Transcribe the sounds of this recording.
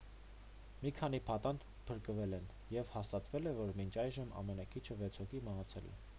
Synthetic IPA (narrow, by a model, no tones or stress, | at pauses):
mikʰɑn̪ipʰɑt̪ɑnd̪ | pʰəɾkəvɛlɛn | jɛvhɑst̪ɑt̪vɛlɛvɔɾmint͡ʃʰɑjʒəmɑ̰mɛnɑkʰit͡ʃʰəvɛt͡sʰhɔkʰiməɦɑt͡sʰɛlɛ̰